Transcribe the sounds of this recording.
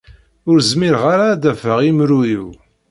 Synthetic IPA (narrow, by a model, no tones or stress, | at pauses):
ʊɾzmiɾʁaɾad̪ævəʁimɾujiw